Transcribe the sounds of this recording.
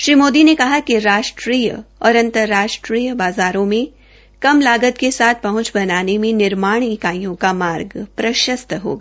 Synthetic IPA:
ʃɾiːmoːd̪inekɐɦakiɾaːʃʈɾiːjɔːɾɐ̃nt̪əɾːaːʃʈɾiːjəbaːzaːɾõmẽ | kɐmlaːɡət̪̚kesaːt̪̚ʰpɐɦʊ̃nt͡ʃbɐnaːnemẽnɪɾmaːɽ̃ɪkaːijõkamaːɾɡpɾɐʃəst̪ɦo̰ːɡaː

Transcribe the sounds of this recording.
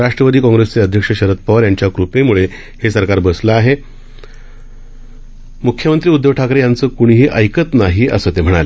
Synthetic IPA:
ɾaʂʈɾəʋəd̪iːkɔ̃ŋɡɾest͡seəd̪ʱjəkʂəɕəɾət̪̚pəɾjaɲt͡ɕjakɾupemuɭe | hesəɾkaɾbəsləaɦe | mukʰjəmənt̪ɾiːud̪ʱːəʋʈʰakɾejant͡səːkuɽ̃iɦiːʔəjkət̪naɦiːʔə̰səːt̪em̤əɽ̃ale

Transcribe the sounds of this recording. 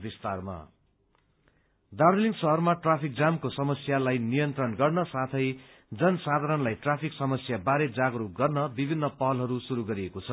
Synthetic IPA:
bist̪arma̰ | d̪arliŋɡsʌɦʌrmaʈrapʰik̚d͡zamkosʌmʌsjalajnijʌnt̪rʌnɡʌrnʌsat̪ʰʌj | d͡zʌnsad̪ʱaɾʌnlajʈrapʰiksʌmʌsjabaɾed͡zaɡɾuk̚ɡʌrnʌbibʱinːʌpʌɦʌlɦʌɾusuɾuɡʌɾiekot͡sʰʌ

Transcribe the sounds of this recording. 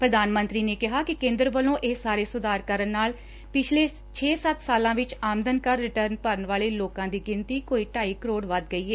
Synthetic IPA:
pɾəd̪aːnmənt̪ɾiːneːkɪɦaːkɪkẽːnd̪ɾʋəlõːʔeːsaːɾeːsʊd̪aːɾkəɾənːaːl | pɪt͡ʃʰleː | t͡ʃʰeːsət̪saːlãːʋɪt͡ʃaːmd̪ənkəɾːɪʈəɾnpəɾənʋaːleːloːkãːd̪iːɡɪnt̪iːkoːiːʈaːiːkəɾoːɽʋəd̪ɡəiːɦɛː

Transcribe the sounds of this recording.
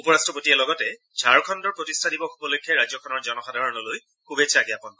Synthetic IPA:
upɔɹastɹɔpotiɛlɔɡɔtɛ | d͡ʒʱaɹkʰɔndɔɹpɹotistʰadibɔxubɔlokʰːɛɹazɔkʰɔnɔɹzɔnɔxadʱaɹɔnɔloj | kʰubet͡ʃʰaɡɛapɔn

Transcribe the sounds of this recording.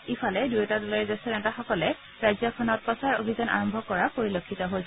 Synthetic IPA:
ifʰalɛdujɛtadɔlaɹzasɛɹɛntaxɔkɔlɛ | ɹajzakʰɔnɔt̚pɔsaɹo̰bʱizɔna̰ɹɔmbʱɔkɔɹapoɹilokʰːitɔɦoj

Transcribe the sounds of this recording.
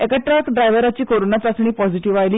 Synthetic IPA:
ekəʈɾakɖɾajʋəɾat͡ɕiːkoɾonat͡sasɳ̃iːpɔd͡ziʈiʋajliː

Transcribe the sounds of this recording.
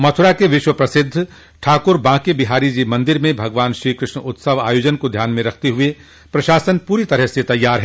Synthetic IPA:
mɐt̪ʰʊɾakeʋɪʃwəpɾɐsɪd̪ʱː | ʈʰaːkʊɾbãːkebɪɦaːɾid͡ʒimɐ̃nd̪ɪɾmẽbʱɐɡʋaːnʃɾiːkɾɪʃɳʊt̪səʋaːjoːd͡ʒənkod̪ʱjaːnmẽɾɐkʰt̪eɦʊe | pɾɐʃaːsənpuːɾit̪ɐɾəɦset̪ɐjːaːɾɦɛː

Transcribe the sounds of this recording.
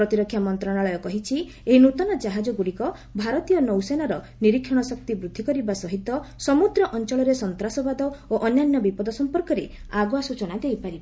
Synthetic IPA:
pɾɔt̪iɾɔkʰːjamɔnt̪ɾɔɽaɭɔjɔkɔɦit͡ʃʰi | eɦinut̪ɔnad͡ʒaɦad͡ʒɔɡuɽikɔ | bʱaɾɔt̪ijɔnɔwsenaɾɔ | niɾikʰːɔɽ̃ɔsɔk̚t̪ibɾud̪ʱːikɔɾibasɔɦit̪ɔsɔmud̪ɾɔʔɔnt͡ʃɔɭɔɾesɔnt̪ɾasɔbad̪ɔoʔɔnjanjɔbipɔd̪ɔsɔmpɔɾkɔɾeaɡɔasut͡ʃɔnad̪ejpaɾiba

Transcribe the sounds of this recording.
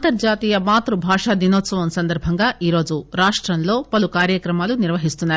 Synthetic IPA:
nt̪ɐɾd͡ʒaːt̪iːjɐmaːt̪ɾubʱaːʂaːd̪inoːt̪sɐʋɐmsɐnd̪ɐɾbʱɐŋɡaːʔiːɾo̞ːd͡ʒuɾaːʂʈɾɐnlo̞ːpɐlukaːɾjɐkɾɐmaːluniɾʋɐɦist̪unːaːɾu

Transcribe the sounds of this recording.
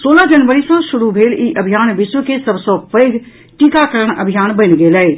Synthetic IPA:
soːlad͡ʒənʋəɾisə̃ʃʊɾubʱeːliʔəbʱijaːnʋɪʃwəkesəbsɔpəɪɡ | ʈikakəɾəɽ̃ə̰bʱijaːnbənɡeːlɛ

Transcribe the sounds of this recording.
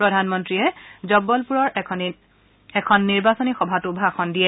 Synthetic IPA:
pɹɔdʱanmɔntɹiɛzɔbːɔlpuɹɔɹ | ɛkʰɔnːiɹbasɔnixɔbʱatubʱaxʰɔndijɛ

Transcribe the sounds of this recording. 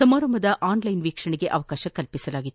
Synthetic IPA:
ɐmɐːɾɐmɐðɐʔaːnlɐjnʋiːkʂɐɳɪɣeʔɐʋɐkaːʃɐkɐlpɪsɐlaːɣɪt̪ː

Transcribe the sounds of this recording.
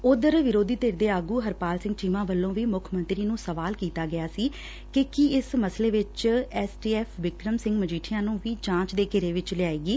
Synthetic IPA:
ʊd̪əɾʋɪɾoːd̪iːt̪eːɾd̪eːaːɡuːɦəɾpaːlsɪ̃ŋɡ̚t͡ʃiːmãːʋəlːõːʋiːmʊkʰmə̃nt̪ɾiːnũːsəʋaːlkiːt̪aːɡɪjaːsiː | kɪkiɪsməsleːʋɪt͡ʃɛːsʈiːɛːpʰʋɪkɾəmsɪ̃ŋɡməd͡ʒiːʈʰɪjãːnũːʋiːt͡ʃãːt͡ʃd̪eːkeɾeːʋɪt͡ʃlɪaːeːɡiː

